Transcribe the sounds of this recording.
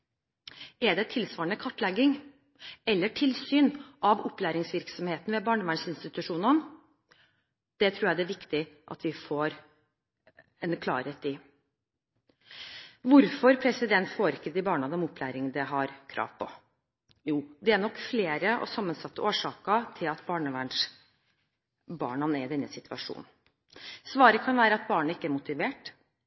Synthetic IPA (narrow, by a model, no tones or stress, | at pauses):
ɛɖɛt̪ʰɪlsʋɑːɾəɳəkʰɑʈːlɛɡːɪŋ | ɛlːəʈʰɪlsyːnʔɑʋɔpːlæːɾɪŋsʋɪɾksɔmheːt̪n̩ʋɛbɑːɳəmæɳsɪnst̪ɪt̪ʉʂuːnən | d̪̥ɛt̪ʰɾuːjæd̪ɛæʋɪkt̪ɪʔɑ̰t̪ʰʋɪfoːɾ | ɛnkʰlɑ̰ːɾheːt̪ɪ | ʋʊɾfɔɾpʰɾɛsɪd̪ɛnt̪foːɾɪkːəd̪ɪbɑːɳɑd̪ɔmʊpʰːlæːɾɪŋd̪ɛɦɑɾkʰɾʔɑ̰ːʋpʰɔ | juːd̪ɛæɳɔkːfleːɾəʔɔ̰sɑmːənsɑt̪ːəoːʂɑːkət̪ʰɪlɑt̪bɑːɳəʋæɳʂ | bɑ̰ːɳɑnæɾɪd̪ɛnːəsɪt̪ʰʋɑ̰ʂṵːnn̩ | sʋɑːɾəkʰɑnʋæːɾəɑt̪̚bɑːɳəɪkːəæɾmʊt̪ɪʋeːʈ